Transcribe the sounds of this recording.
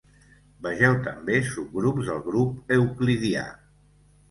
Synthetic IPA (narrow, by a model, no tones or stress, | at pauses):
bəʒɛwt̪əmbesub̚ɡɾupzðəlˠɣɾupəwkliðia̰